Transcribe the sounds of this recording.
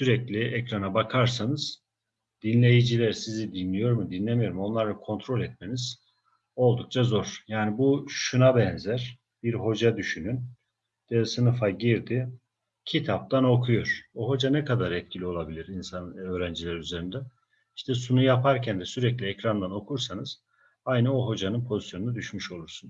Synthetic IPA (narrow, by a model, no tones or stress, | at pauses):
syɾɛclʲiʔɛcɾanabakʰaɾsanɯz̥ | d̪̥inlʲe̞jid͡ʒilʲæɾsizid̪inlʲijo̞ɾmud̪inlʲemijo̞ɾumo̞nlˠaɾlˠakʰo̞nt̪ʰɾo̞lʲɛt̪̚meniz̥ | o̞lˠd̪uk̚t͡ʃʰazo̞ɾ̥jaːnibuʃunabɛnzæɾ̥ | b̥iɾɦo̞d͡ʒad̪yʃynyn | d̪̥ɛsɯnɯfaɟiɾd̪i | cʰit̪ʰap̚t̪ʰano̞kʰujoɾ̥oɦo̞d͡ʒanɛkʰad̪aɾɛt̪̚cʰilʲio̞lˠabilʲiɾinsanø̞ːɾænd͡ʒilʲɛɾyze̞ɾind̪ɛ | iʃt̪ʰɛsunujapʰaɾcʰænd̪ɛsyɾɛclʲiɛcɾand̪ano̞kʰuɾsanɯz̥ | ajnɯo̞ɦo̞d͡ʒanɯnpʰo̞zisjo̞nunad̪yʃmyʃo̞lˠuɾsun